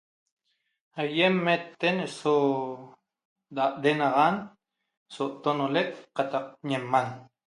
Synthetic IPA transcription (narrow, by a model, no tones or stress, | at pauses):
hajemːet̪ːeneso | d̪aʔd̪enɑʁan | soʔt̪onoleʔqɑt̪ɑq̚ɲemːan